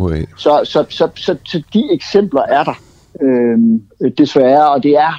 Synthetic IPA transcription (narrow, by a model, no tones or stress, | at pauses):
sɒ̽sɒ̽sɒ̽sɒ̽sɒ̽d̥ieɡ̥sem̰b̥lɐʔæɐɾ̥ɑ̈ | ømd̥e̝sʋæːɐɒ̽d̥e̝æɐ